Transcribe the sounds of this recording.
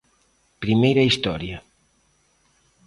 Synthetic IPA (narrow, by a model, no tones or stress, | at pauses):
pɾimejɾɐist̪ɔɾjɐ